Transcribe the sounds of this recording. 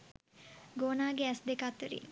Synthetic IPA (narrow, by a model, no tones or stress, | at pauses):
ɡoːnaːɡeæsd̪ekat̪ːəɾḭn